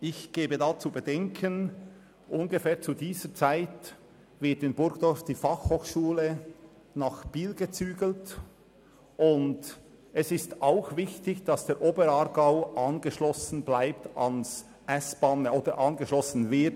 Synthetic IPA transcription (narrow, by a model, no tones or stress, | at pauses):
ɪçɡ̥eːbədaːt͡subədɛŋkʰən | ʔʊnɡəfɛːɐt͡sudiːzət͡saɪt | vɪɐtɪnbʊɾɡd̥ɔɹfd̥iːfɑχhoːxʃuːlə | naχb̥iːlɡət͡syːɡəl̩t | ʔʊnd | ɛsɪstaʊxvɪçtɪçd̥ɑsd̥eːɾʔoːbəɾɑːɾɡaʊʔɑnɡəʃlɔsn̩blaɪptɑns | ʔɛsb̥ɑːnoːd̥əɾʔɑnɡəʃlɔsn̩vɪt